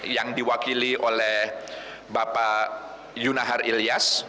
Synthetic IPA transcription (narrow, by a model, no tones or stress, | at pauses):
jaŋdiwakiliʔolɛh | bapa | junaɦarilias